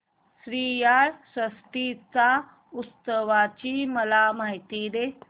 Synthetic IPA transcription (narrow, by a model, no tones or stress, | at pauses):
sɾiːjaɭsəsʈ̪it͡sa | ust̪əʋat͡ɕiməlamaɦit̪iːɾe